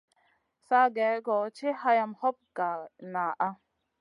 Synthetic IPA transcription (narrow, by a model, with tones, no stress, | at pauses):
sa˧ɡɛ˨˦ɡɔ˨˦t͡ʃʰi˦ha˧ja˧mhɔ˦p̚ka˨na˨ʔa˧